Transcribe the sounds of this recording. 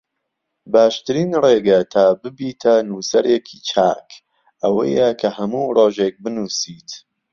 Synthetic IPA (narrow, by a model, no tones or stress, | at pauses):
baːʃt̪ɨɾiːnreːɡɐt̪ʰaːbɨbiːt̪ʰɐnuːsɐɾekʰiːt͡ʃʰa̰ːk | ʔɐwɐ̰jɐkʰɐhɐmuːroːʒek̚bɨnuːsiːt̪